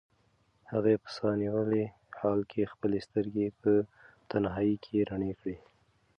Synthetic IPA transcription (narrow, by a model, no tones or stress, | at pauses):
haɣepə̥sɑniwəle | hɑlkʰexpəlest̪əɾɡepət̪anɦɑikʰeɾaɳekɽi